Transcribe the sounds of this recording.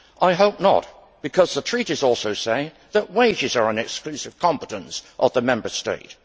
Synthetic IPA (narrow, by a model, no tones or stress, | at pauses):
ʔaɪɦoʊp̚nə̰t̚ | b̥ɨkʰʌzðətʰɹ̥iɾizɔlˠsoʊseɪ | ðəʔ̚weɪd͡ʒɨzə˞ə̃nɨksklʉsɨv̥kʰɑ̃mpəɾə̃nsʔəvðəmɛ̃mbə˞stḛɪt̚